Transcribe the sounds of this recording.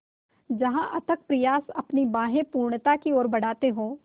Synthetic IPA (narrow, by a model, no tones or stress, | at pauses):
d͡ʒɐɦãʔɐt̪ək̚pɾɪjaːsɐpnibaːɦẽpuːɾɳt̪akioːɾbɐɽ̤aːt̪eɦõː